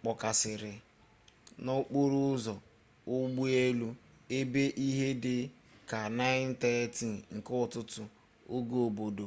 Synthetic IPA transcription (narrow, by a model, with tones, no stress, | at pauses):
k͡pɔ˨ka˨sɪ˨ɾɪ˨ | no˦k͡pʊ˦ɾʊ˦zɔ˨ | ʊ˦ɡ͡bu˦e˦lu˦ | e˦be˦ʔi˦ɦe˦dɪ˨˦ | ka˨na˦ɪ˦n̩˦te˦ti˨ŋ̩˨kʊ˦˨tʊ˦tʊ˨ | o˦ɡo˦o˨bo˨do˨